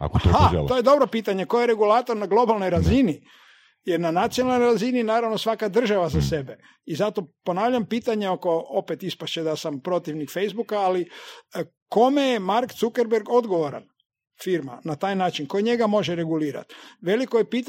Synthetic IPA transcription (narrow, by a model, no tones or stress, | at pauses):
a̰kooha̰t̪o̞jed̪o̞bɾo̞piːt̪aɲeko̞jeɾe̞ɡulat̪o̞ɾnaɡlˠo̞balˠno̞jɾazini | jeɾnanat̪sijonalnonɾazininaːɾaʋno̞sʋakad̪r̩ʒaʋazase̞be | izat̪o̞po̞naːʋʎampiːt̪aɲeo̞ko̞opet̪ispaʃt͡ɕed̪asampɾo̞t̪iʋnikfejzbukaali | ko̞me̞jemaɾkt̪sukeɾbeɾɡo̞d̪ɡo̞ʋoɾa̰n | fiɾma̰nat̪aːjnaːt͡ʃinko̞jɲe̞ɡamo̞ʒeɾe̞ɡuliːɾa̰t̪ʋe̞likojepiːt̪